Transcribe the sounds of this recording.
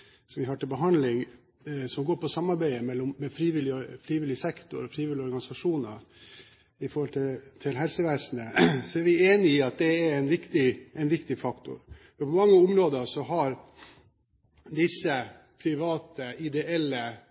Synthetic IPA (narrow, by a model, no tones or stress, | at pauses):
sɔmʋɪhɑːʈɪlbəɦɑnd̪lɪŋ | sɔmɡoːɾpʰɔsɑmːɑɾbæɪəmɛlːɔmːɛfɾiːʋɪlːɪɔfɾiːʋɪlːɪəsɛkt̪ʊ̰ɾɔfɾiːʋɪlːɪɔɾɡɑnɪsɑʂuːnəɾ | ɪfɔɾhɔlt̪ʰɪt̪ʰɪlɦɛlsəʋæːsnəsɔæɾʋɪeːnɪɪɑt̪̚d̪ɛɛɾɛɪnʋɪkt̪ɪɛɪnʋɪkt̪ɪfɑkt̪ʊ̰ɾfɔɾpʰɔmɑŋːəɔmɾoːd̪əʂɔɦɑɾ | d̪ɪsːə | pʰɾɪʋɑːt̪ʰəʔɪd̪ɛɛlːə